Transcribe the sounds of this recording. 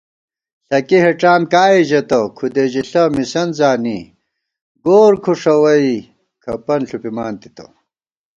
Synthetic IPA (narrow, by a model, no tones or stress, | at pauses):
ɬɐkiɦeʈ͡ʂaːmkaːiʑɐt̪ɐkʰud̪eʑiɬɐmisɐnzaːni | ɡoːɾkʰuʂɐwɐi | kʰɐpɐnɬupimaːnt̪i̥t̪ɐ̰